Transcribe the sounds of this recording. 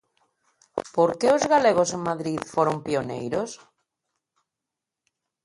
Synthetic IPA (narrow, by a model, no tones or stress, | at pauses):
poɾkeʊzɣaleɣ̞oseŋmaðɾiðfoɾompionḛjɾos